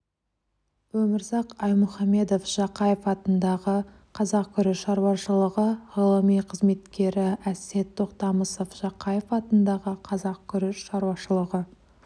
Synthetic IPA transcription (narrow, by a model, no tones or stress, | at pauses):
wɵmɪɾzɑqɑjmʊχɑme̞d̪o̞fʒ̥ɑqɑjefɑt̪ənd̪ɑʁə | qʰɑzɑq̚kʲʰʏɾɪʃɑɾuwɑʃəlˠəʁəʁəlˠəmijqʰəzme̞t̪kʲe̞ɾɪæse̞t̪ʰːo̞qt̪ɑməsofʒ̥ɑqɑjefɑt̪ənd̪ɑʁəqʰɑzɑq̚kʲʰʏɾɪʃʃɑɾuwɑʃəlˠəʁə